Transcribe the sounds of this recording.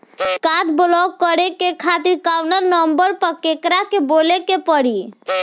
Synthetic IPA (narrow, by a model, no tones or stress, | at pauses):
kaʈblɔkːəɾekekʰat̪iɾkawnəɾnəmbəɾpəɾkekɾakebolekepəɽi